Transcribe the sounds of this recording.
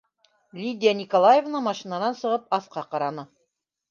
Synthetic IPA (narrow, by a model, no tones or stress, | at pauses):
lʲid̪ʲɪjanʲikolˠajevnɤmɑʃinanɑnsɤ̆ʁɤpɑθqɑqɑɾɑnɤ